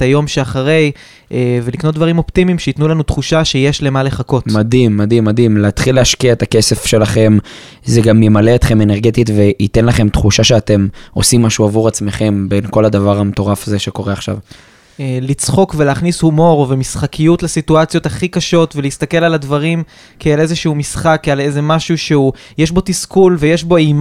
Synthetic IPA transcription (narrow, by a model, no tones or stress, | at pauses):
et̪ajo̞mʃeaχaʁe̞j | eve̞liknot̪̚d̪vaʁimo̞ptimimʃeit̪nulanut̪χuʃaʃe̞je̞ʃle̞male̞χako̞tmad̪imːadimːad̪imleat̪χileaʃkiaet̪akese̞fʃe̞laχe̞m | zeɡamjemaleːt̪χe̞me̞neʁɡe̞t̪itve̞it̪enlaχe̞mt̪χuʃaʃeatemo̞simːaʃuavuʁat͡sme̞χe̞mbe̞nko̞lad̪avaʁamet̪o̞ʁafazeʃeko̞ʁeaχʃa̰v | elit͡sχo̞kveleːχnishumo̞ʁvemisχakʰijutlesituat͡sijo̞t̪aχikaʃo̞tveleiist̪ake̞laladvaʁim | kʰeelezeʃuumisχakale̞ze̞maʃuʃeu | jeʃbo̞t̪iskulvejeʃbo̞im